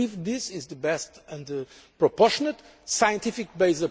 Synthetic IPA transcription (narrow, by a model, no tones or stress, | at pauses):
ivðɪsɪzðəbɛstɨ̃nðə | pɹɔpɔʃɔnət̪ | sajə̃nt̪ʰifik̚beɪzə